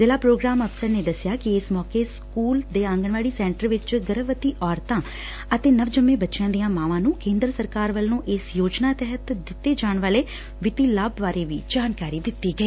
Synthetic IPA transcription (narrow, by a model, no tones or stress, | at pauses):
zɪlaːpɾoːɡɾaːməpsəɾneːd̪əsɪjaːkɪɪsmɔːkeːskuːld̪eːãŋɡəɳʋaːɽiːsɛ̃ːɳʈəɾʋɪt͡ʃɡəɾəʋət̪iːʔɔːɾt̪ãː | ət̪eːnəʋd͡ʒəmẽːbətːʃɪjãːd̪ijãːmãːʋãːnũːkẽːnd̪ɾəsəɾkaːɾʋəlnũːʔɪsjoːd͡ʒnaːt̪ɛɦət̪d̪ɪt̪ːeːd͡ʒaːɳʋaːleː | ʋɪt̪iːlaːbʋaːɾeːʋiːd͡ʒaːnkaːɾiːd̪ɪt̪ːiːɡəiː